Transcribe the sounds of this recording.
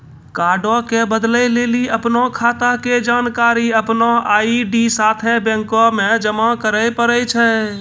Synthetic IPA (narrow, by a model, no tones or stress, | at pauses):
kaːɾɖɔkebəd̪ləjleːliəpnɔkʰaːt̪aked͡ʒaːnkaːɾiəpnɔaːiɖisaːt̪ʰɛ̃bɛ̃ŋkɔmẽd͡ʒəmakəɾəjpəɾəjt͡ʃʰɛ